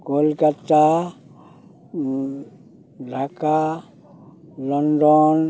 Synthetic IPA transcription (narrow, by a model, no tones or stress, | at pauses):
kolkat̪a | dʱaka | lɔndɔn